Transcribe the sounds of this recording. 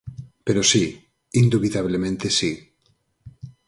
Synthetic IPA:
peɾosi | ind̪uβit̪aβ̞lemẽnt̪esi

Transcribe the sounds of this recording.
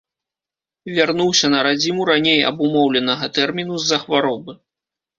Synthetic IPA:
vʲarnuwsʲɐnɐɾad͡zʲimuɾanʲejɐ̰bumɔwlʲɛnɐɣɐt̪ɛrmʲinuzːɐxvaɾɔbɨ

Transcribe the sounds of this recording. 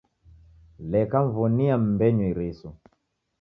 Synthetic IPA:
lɛkaɱvɔniam̩mbɛɲwiɾisɔ

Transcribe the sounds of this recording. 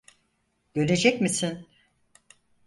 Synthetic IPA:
ɟ̥øle̞d͡ʒɛcmisin

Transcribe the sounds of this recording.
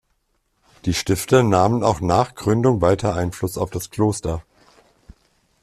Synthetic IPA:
d̥iːʃtɪftənaːməna̰ʊxnaːχɡ̥ʁʏndʊŋvaɪtʰɐʔaɪnflʊsaʊfd̥askl̥oːstɐ

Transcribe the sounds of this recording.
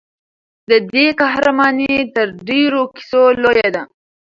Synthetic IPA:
d̪əd̪ekahɾamɑnet̪əɾɖeɾoki̥solojad̪a

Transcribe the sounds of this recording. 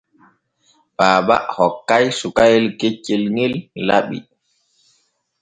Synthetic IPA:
baːba̰ʔhɔkːajsukajɛlket͡ʃːelŋilːa̰ɓḭ

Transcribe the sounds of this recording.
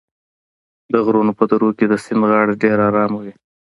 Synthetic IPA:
d̪əɣɾunopəd̪aɾoked̪əsɪmɣɑɽeɖeɾɑɾɑmawi

